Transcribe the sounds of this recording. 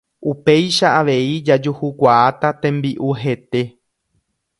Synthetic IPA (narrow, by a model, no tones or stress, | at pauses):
ʔupe̞jʃaaʋe̞id͡ʒad͡ʒuhukʷaat̪at̪ẽ̞mbiʔuɦe̞t̪e̞